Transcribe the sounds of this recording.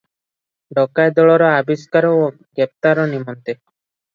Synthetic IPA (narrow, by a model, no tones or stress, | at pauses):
ɖɔkaed̪ɔɭɔɾɔabiskaɾɔo | ɡep̚t̪aɾɔnimɔnt̪e